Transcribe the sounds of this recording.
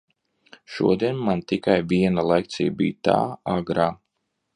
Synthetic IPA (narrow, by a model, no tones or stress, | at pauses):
ʃṵɔd̪iɛnmːant̪ikajviɛnalˠɛk̚t̪sʲijbḭjt̪a̰ːaɡɾaː